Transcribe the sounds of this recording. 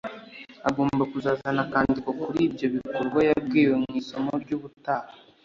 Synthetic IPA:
aɡoːmbakuzaːzanakaːndiko̞kuɾiːbɟo̞βikoɾɡwajab̚ɡiːwemŋiːso̞moɾɟuːβutaːha

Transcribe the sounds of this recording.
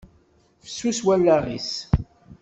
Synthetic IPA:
fə̥sːuswælːaʁḭs

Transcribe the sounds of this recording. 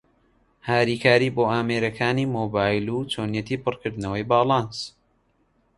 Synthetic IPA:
haːɾiːkʰaːɾiːboːaːmeːɾɐkʰaːniːmoːbaːjlut͡ʃonjɛt̪ʰiːpɨrkɨɾd̪nɐwɐjbaːlˠɑns

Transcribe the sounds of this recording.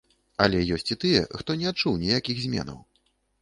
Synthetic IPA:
alʲɛjɔsʲt͡sʲit̪ɨjɛ̰xt̪ɔnʲɛat̪̚t͡ʂuwnʲɛjakʲiɣzʲmʲɛ̰nɐ̰w

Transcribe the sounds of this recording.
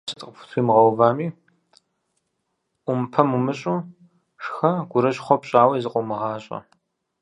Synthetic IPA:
sɨtʼqəfʷʊ̥tʷʰuiːmʁɐwvaːmiː | ʔʷʊmpʰɐmumɨɕʼuː | ʂxɐɡ̥ʷʊɾɐɕʼχʷɔpɕʼaːwjzɨqʷʼɔmɨʁɑːɕʼɐ̰

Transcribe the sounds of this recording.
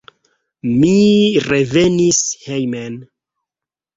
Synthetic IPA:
miɾe̞ve̞nishejmen

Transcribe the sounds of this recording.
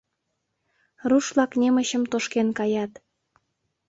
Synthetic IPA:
ruʃlɑknʲeməɕəmt̪oʃkenkɑjɑt̪

